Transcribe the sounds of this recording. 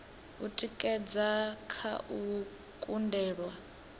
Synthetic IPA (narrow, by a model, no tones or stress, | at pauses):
utʼikʼɛd͡zakʰa̰ʔu | kʼundɛːɺwa